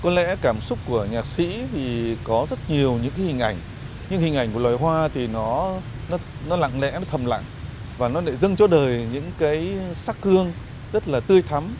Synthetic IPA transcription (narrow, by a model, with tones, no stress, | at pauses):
kɔ˨˦lɛ̰˧˥kaː˧˩msʊ˦˥k͡p̚ku˧˩əɲaː˨˩t̚sḭ˧˥t̪ʰi˨˩kɔ˨˦zə˦˥t̚ɲi˨˩əwɲɨ̰˧˥ŋka˨˦hï˨˩ŋ̟ʔa˧˩jŋ̟ | ɲɨ̰˧˥ŋhï˨˩ŋ̟ʔa˧˩jŋ̟ku˧˩əlɔa˨˩jɦwaː˧t̪ʰi˨˩nɔ˨˦ | nɔ˨˦nɔ˨˦la̰ː˧˨ŋlɛ̰˧˥nɔ˨˦t̪ʰə˨˩mla̰ː˧˨ŋ | vaː˨˩nɔ˨˦ɗe˧˩zə˧ŋt͡ɕɔ˧ɗəː˨˩jɲɨ̰˧˥ŋkaː˨˦jsaː˦˥kkɨ˧əŋ | zə˦˥t̚laː˨˩t̪ɨ˧əjt̪ʰa˨˦m